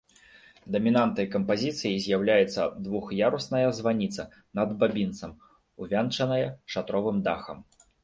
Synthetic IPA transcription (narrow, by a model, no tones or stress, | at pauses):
d̪ɐmʲinant̪nɐjkɐmpazʲit̪sɨjizʲjawlʲajɛt̪sːɐ̰d̪vuxjaɾusnɐjɐzvanʲit̪sɐ | nɐd̪babʲint̪sɐm | uvʲant͡ʂɐnɐjɐʂat̪ɾɔvɨmd̪axɐ̰m